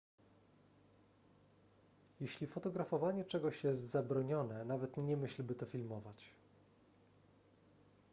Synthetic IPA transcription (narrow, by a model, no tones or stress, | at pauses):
jɛɕlʲifɔt̪ɔɡɾafɔvaɲɛt͡ʂɛɡɔɕjɛst̪zabɾɔɲɔnɛnavɛt̪ɲɛmɘɕlbɘt̪ɔfʲilmɔvat͡ɕ